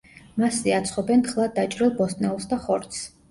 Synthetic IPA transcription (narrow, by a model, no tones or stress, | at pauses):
masiat̪sʰχɔbɛnt̪χlˠad̪̚ːat͡ʃʼɾilˠbɔst̪ʼnɛɔsd̪aχɔɾt̪s